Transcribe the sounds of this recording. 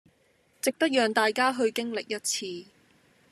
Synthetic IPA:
t͡sɪ˨k̚t̪ɐ˥t̚jœː˨˩ŋt̪aː˨jkaː˥ɦɵ˧ɥkɪ˥ŋlɪ˨k̚jɐ˥t̚t͡sʰiː˧

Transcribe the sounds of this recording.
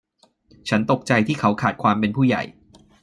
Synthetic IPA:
t͡ɕʰa˦˥nt̪o˨˩k̚t͡ɕa˧jt̪ʰiː˥˩kʰa˦˥wkʰaː˨˩t̪̚kʰwaː˧mpe˧npʰuː˥˩ja̰˨˩j

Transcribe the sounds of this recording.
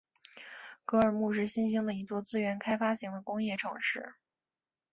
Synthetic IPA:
kɤ˧˥ə˞˨˩mu˥˧ʂ̬ɻ̩˥˩ɕi˥nɕi˥ŋd̪ə˨i˧˥t͡swɔ˥˩t͡sɹ̩˥ɥɛ˧˥nkʰa˥ɪfa˥ɕi˧˥ŋd̪ə˧kʊ˥ŋjɛ˥˩ʈ͡ʂʰɤ˧˥ŋʂɻ̩˥˩

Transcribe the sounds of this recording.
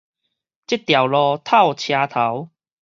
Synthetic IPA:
t͡ɕi˥t̚t̪ja˨˩wlɔː˧t̪ʰa˥˩wt͡ɕʰjaː˧t̪ʰa˨˦w

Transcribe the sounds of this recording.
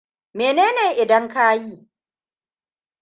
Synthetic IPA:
meː˨neː˦neː˨ʔɪ˨dɐ˦ŋka˦ji˦˨

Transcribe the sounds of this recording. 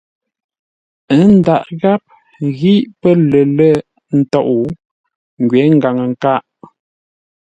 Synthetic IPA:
ə˦n̩˦da˨ʔɣa˦p̚ | ɣi˦ʔpə˦lə˨lə˦˨ | n̩˦tɔ˦˨ʔu˨ | ŋ˨ɡɥɛ˨˦ŋ̩˦ɡa˨ŋə˨ŋ˨ka˦˨ʔ

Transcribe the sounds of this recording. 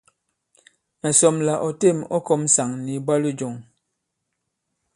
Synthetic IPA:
mɛ˨sɔ˨mla˨ʔɔ˨te˦˨mɔ̰˦kɔ˦msa˨ŋni˨ba˦li˦d͡ʒɔ˨ŋ

